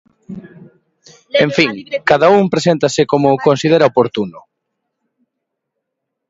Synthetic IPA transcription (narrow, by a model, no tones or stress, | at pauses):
eɱfiŋkaðauŋpɾesent̪ɐsɪkomʊkonsiðeɾaopoɾt̪unʊ